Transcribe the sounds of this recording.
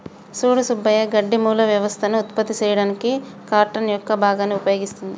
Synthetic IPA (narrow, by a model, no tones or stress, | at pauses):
suːɽusubːɐjɐɡɐɖːimuːlɐʋjɐʋɐst̪ʰɐnuːt̪pɐt̪ːit͡ʃɐːjɐɽaniki | kaːɾʈɐnjɔkːɐbʱaːɡaːniupɐjoːɡist̪und̪i